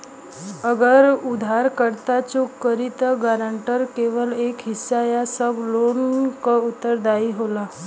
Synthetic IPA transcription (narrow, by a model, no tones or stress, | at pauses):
əɡəɾud̪ʱaɾkəɾt̪at͡ɕukkːəɾit̪ɡaɾaɳʈəɾkeʋəlekɦisːajasəblonkaut̪ːəɾd̪aiɦola